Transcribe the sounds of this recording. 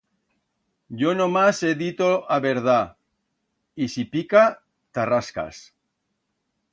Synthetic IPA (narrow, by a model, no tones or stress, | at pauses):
ɟ͡ʝonomaseðit̪oaβeɾð̞a | isipika | t̪araska̰s